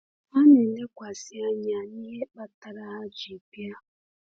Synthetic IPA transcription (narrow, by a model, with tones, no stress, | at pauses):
ma˦ne˨n̩˦le˦kʷa˨si˦a˦ɲa˨ni˦ɦe˦k͡pa˦ta˨ɾa˦ɦa˦d͡ʒi˨pja˦